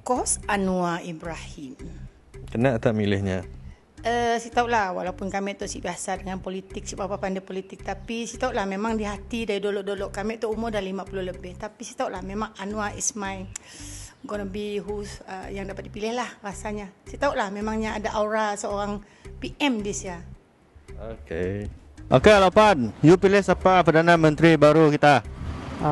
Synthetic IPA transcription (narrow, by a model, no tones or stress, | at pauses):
kɔsanuaibɾahim | kənaʔt̪aʔmilɪhɲa̰ | əsit̪auʔlahwa̰laupʊnkamɛʔt̪ɔʔsibiasadəŋanpolit̪ɪk̚sibapapandapolit̪ɪk̚t̪apisit̪auʔlahmemaŋdiɦat̪idaɾidolɔʔdolɔʔkamɛʔt̪ɔʔumʊdalimapulohləbɪht̪apisit̪auʔlahmemaŋanũaʔḭsmaj | ɡɔnəbiɦusə̰jaŋdapat̪̚dipilɪhlahrasaɲasiat̪auʔlahmemaŋɲaːdaʔauɾasəoɾaŋ | piʔɛmdisia | okḛ | ʔokealapanjupilɪhsapapərdanãmə̃nt̪ɾibaɾukit̪a